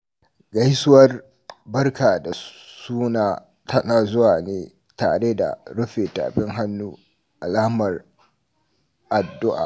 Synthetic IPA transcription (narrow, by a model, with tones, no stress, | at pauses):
ɡɐ˦jsʊ˦wɐ˦r | bɐ˦rkaː˨da˨suː˦naː˨ | tʰɐ˦naː˨zʊ˦waː˨neː˦ | ta̰ː˨ɽeː˦da̰˨ɽʊ˦ɸeː˨ta̰ː˨ɸɪ˦ŋɦa˦nːuː˦ | ʔa˨laː˦mɐ˨r | ʔa˨dːʊ˦ʔa̰ː˨